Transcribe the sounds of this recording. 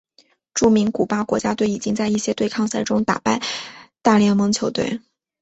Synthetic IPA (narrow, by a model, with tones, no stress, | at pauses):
ʈ͡ʂu˥˩mi˧˥ŋku˨˩pa˥kwɔ̰˧˥t͡ɕja˥t̪we˥˩ɪi˨˩t͡ɕi˥ŋt͡sa˥˧ɪi˥˩ɕjɛ˥t̪we˥˧ɪkʰɑ˥˧ŋsa˥˩ɪʈ͡ʂʊ˥ŋt̪a̰˨˩pa˥˧ɪt̪a˥˧ljɛ˥˩ŋmɤ˧˥ŋt͡ɕʰjo˧˥ʊt̪wḛ˥˩ɪ